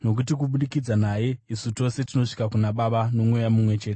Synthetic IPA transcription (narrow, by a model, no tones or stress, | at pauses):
no̞k̬utikuɓuɗikid͡zanaje̞isuto̞se̞tino̞ʂi̥kakunaɓaɓano̞mwejamumwe̞t͡ʃe̞ːte